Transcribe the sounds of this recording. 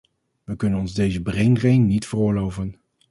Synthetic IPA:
ʋəkɵnənɔnzdejzəbrejnrejnnitfərʊːɹlowvən

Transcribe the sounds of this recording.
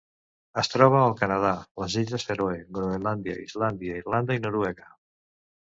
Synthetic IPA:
əst̪ɾɔβ̞aːlˠkanað̞aləziʎəseɾoeɡɾoenland̪ja̰ḭzland̪jaiɾland̪əinoɾwɛɣə

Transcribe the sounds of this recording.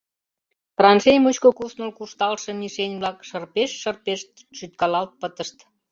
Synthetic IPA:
prɑnʃejmut͡ɕkokusnolkuʃt̪ɑlʃĕniʃenʲβlɑkʃərpeʃːərpeʃt̪̚ | ʃyt̪kɑlɑlt̪̚pət̪əʃt̪

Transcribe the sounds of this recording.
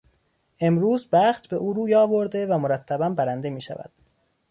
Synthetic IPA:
ʔe̞mɾuːzbæχt̪be̞ʔuːɾuːjɒːbo̞ɾd̪e̞væmoɾæt̪ʰːæbæmbæɾænd̪e̞miːʃæ̰væ̰d̪̥

